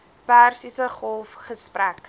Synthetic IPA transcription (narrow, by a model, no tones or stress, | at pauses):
pærsisəχɔlˠfχəspræk